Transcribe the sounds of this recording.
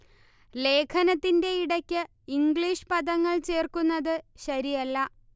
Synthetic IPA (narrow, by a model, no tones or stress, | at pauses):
le̞ːkʰɐnɐt̪ːinde̞iɽɐkʲːɨ | iŋɡɭiːʂpɐðɐŋːɐɭt͡ɕe̞ːrkunːɐðɨɕɐɾijɐlːɐ